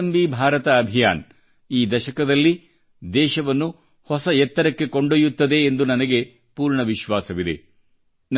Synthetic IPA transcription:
mbibʱaːɾɐt̪ɐːbʱija̰ːn | iːd̪ɐʃɐkɐd̪ɐlːi | d̪ɛːʃɐʋɐnːu | hɔsɐɛt̪ːɐɾɐkːe̞koɳɖojut̪ːɐd̪e̞ːnd̪unɐnɐɡe̞ | puːɾɳɐʋiʃʋaːsɐʋid̪ḛ | n

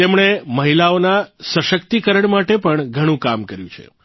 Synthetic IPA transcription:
t̪emɳeməɦilaonasəʃəkt̪ikəɾəɳmaʈepəɳɡʱəɽ̃ũkamkəɾjũt͡ʃʰḛ

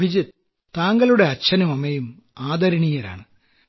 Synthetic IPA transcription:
id͡ʑɐt̪ | t̪aːŋɡɐluɽe̞ɐt͡ɕʰːɐnɐmɐmɐjum | aːd̪ɐɾɐɳijɐɾa̰ːɳɨ

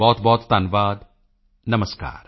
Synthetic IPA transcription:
bɔːt̪bɔːt̪ːaːnʋaːd̪ | nɐməska̰ːɾ

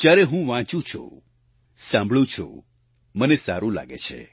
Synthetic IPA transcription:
t̪jaɾeɦũʋãt͡ʃũt͡ʃʰṵ | sãmbʱɭũt͡ʃʰṵ | mənesa̰ɾũla̰ɡḛt͡ʃʰḛ

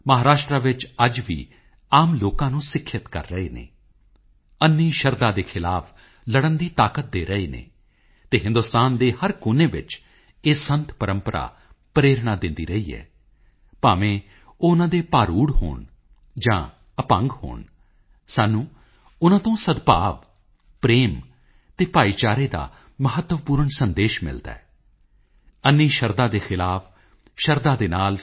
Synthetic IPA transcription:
məɦaːɾaːʃʈɾaːʋɪt͡ʃəd͡ʒʋḭː | aːmloːkãːnũːsɪkʰːɪt̪kə̰ɾːəɦeːnḛː | ənːĩːʃəɾd̪ãːd̪eːkʰɪlaːpʰ | ləɽənd̪iːt̪aːkət̪̚d̪eːɾəɦeːnḛː | t̪eːɦɪ̃nd̪ʊst̪aːnd̪eːhəɾkʊːneːʋɪ̰t͡ʃ | eːsənt̪pəɾəmpəɾʔa̰ː | pɾeːɾɳaːd̪ɪnd̪ḭːɾəiːɛ̰ː | paːʋẽː | oːnãːd̪eːpaːɾuːɽho̰ːɳ | d͡ʒã̰ː | əpə̰ŋɡho̰ːɳ | saːnːũː | ʊnãːt̪õːsəd̪pa̰ːʋ | pɾeːm | t̪eːpaːiːt͡ʃaːɾeːd̪a̰ː | məɦət̪ːəʋpuːɾəɳsənd̪eːʃmɪ̰ld̪a̰ɛː | ənːiːʃəɾd̪ãːd̪eːxʰɪlaːpʰ | ʃəɾd̪aːd̪eːnaːl

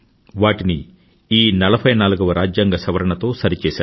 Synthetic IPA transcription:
ʋaːʈini | iːnɐlɐbʱɐjnaːluɡɐʋɐɾaːd͡ʒjaːŋɡɐsɐʋɐɾɐɳɐt̪o̞ːsɐɾit͡ʃɛːsaːu

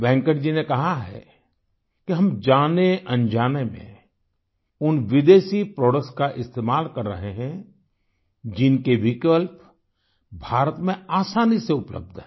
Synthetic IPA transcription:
bɛ̃ːŋkəʈd͡ʒinekɐɦaɦɛ̰ | kiɦɐmd͡ʒaːneʔɐ̃nd͡ʒaːnemḛ̃ | ʊnʋɪd̪eːʃipɾoːɽəkskaʔɪst̪eːmaːlkɐɾːɐ̰ɦeɦɛ̃ | d͡ʒɪnkeʋɪkəlp | bʱaːɾət̪mẽaːsaːniseʊplə̰b̚d̪ɦɛː

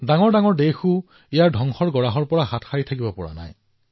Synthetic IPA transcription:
daŋɔɹdaŋɔɹdexʊ | ijaɹdʱɔŋxɔɹɡɔɹaɦɔɹpɔɹaɦatxaɹitʰakibɔpɔɹa̰na̰j

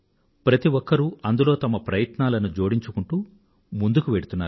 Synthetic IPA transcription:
pɾɐt̪iʋɔkːɐɾuɐnd̪ulo̞ːt̪ɐmɐpɾɐjɐt̪naːlɐnud͡ʒo̞ːɽiɲt͡ʃukuɳʈuː | mund̪ukuʋeɽut̪unːaːɾ

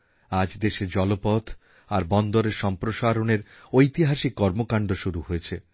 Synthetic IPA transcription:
ad͡ʑd̪eʃed͡ʑɔlopɔt̪ʰ | aɾbɔnd̪oɾeɾʃɔmpɾoʃaɾoneɾojt̪iɦaʃikːɔɾmokaɳɖoʃuɾuɦojet͡ɕʰe

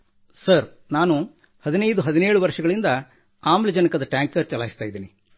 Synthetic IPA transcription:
sɐɾ | naːnu | hɐd̪inɐjd̪uɦɐd̪ineːɭuʋɐɾʂɐɡɐɭind̪ɐ | aːmlid͡ʒɐnɐkɐd̪ɐʈjaːŋkɐɾt͡ʃɐlaːjist̪aːjid̪iːni

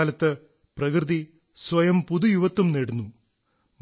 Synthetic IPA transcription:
lɐt̪ːɨ | prɐkrɨði | sʋɐjɐmpuðujuʋɐt̪ːumneɽunːu | m

